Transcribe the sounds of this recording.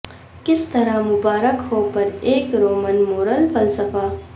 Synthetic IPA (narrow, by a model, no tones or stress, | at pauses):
kɪst̪ɐɾamʊbaːɾəkɦoːpɐɾeːkɾoːmənmoːɾəlfɐlsəfaː